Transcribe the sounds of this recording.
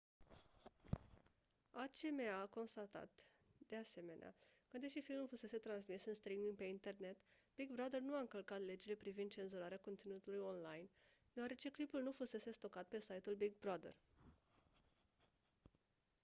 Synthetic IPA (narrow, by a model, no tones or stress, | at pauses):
at͡ʃe̞meako̞nst̪at̪a̰t̪d̪̥e̞ase̞me̞nea̰kəd̪e̞ʃifilmulfuse̞se̞t̪ɾansmisɨnst̪ɾimiŋɡpe̞int̪e̞rne̞t̪b̥iɡbɾad̪ernuaɨŋkəlkat̪le̞d͡ʒile̞pɾivind̪̚t͡ʃe̞nzuɾaɾeako̞nt̪sinut̪ulujo̞nlajn | d̪̥e̞oaɾe̞t͡ʃe̞klipulnufuse̞se̞st̪o̞kat̪̚pe̞sajt̪ulbiɡ̚bɾad̪ḛr